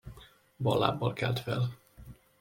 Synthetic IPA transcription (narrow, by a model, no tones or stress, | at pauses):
bɒlːa̰ːbːɒlkɛlt̪fɛl